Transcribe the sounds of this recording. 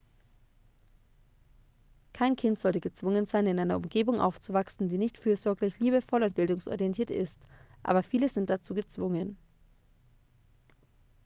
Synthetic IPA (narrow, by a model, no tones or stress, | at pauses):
kʰaɪnkʰɪntz̥ɔltəɡət͡sv̥ʊŋənzaɪnɪnʔaɪnɐʊmɡeːbʊŋʔa̰ʊft͡suvaksn̩diːnɪçtfyːɐzɔɐɡlɪçliːbəfɔlʊnt̚b̥ɪldʊŋsʔɔ̰ʁiɛntʰiːɐtɪ̰stʔa̰ːbɐfiːləzɪnt̚d̥at͡suːɡət͡sv̥ʊŋən